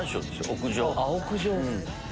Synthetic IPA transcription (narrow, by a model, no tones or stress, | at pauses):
ɰ̃ɕoːd̪eso̰okɯ̟ʑoːaokɯ̟ʑõː